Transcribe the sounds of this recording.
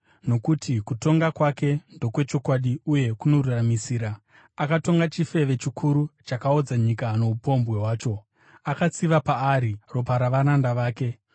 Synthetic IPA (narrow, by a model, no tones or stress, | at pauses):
no̞kutʰikuto̞ŋɡakwake̞ndo̞kwe̞t͡ʃo̞kwaɗiuje̞kuno̞ruramisiːɾaː | kato̞ŋɡat͡ʃife̞ʋe̞t͡ʃikʰuɾut͡ʃakao̞d͡zaɲikano̞upo̞mbwe̞ɦwaːt͡ʃo̞ | akat͡siʋapaːɾiro̞p̬aɾaʋanandaʋaːke̞